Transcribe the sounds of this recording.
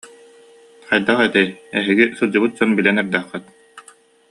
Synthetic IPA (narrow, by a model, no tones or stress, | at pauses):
χajd̪aχɛt̪ɛjɛɦiɡisɯlˠd͡ʑɯbɯt̪̚d͡ʑɔnbilɛnɛɾd̪æχːɛt̪̚